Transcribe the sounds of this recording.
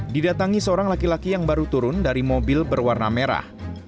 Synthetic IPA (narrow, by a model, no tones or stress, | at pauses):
didat̪aŋisəoɾaŋlakilakijaŋbaɾut̪uɾʊndaɾimobɪlbərwarna̰meɾa̰h